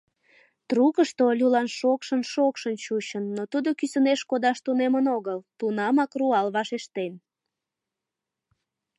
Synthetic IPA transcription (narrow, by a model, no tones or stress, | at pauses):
t̪rukəʃt̪oolʲulɑnʃokʃənʃokʃənt͡ɕuɕənːot̪ud̪okysəneʃkod̪ɑʃt̪unemənoɣəlt̪unɑmɑkruɑlβɑʃeʃt̪en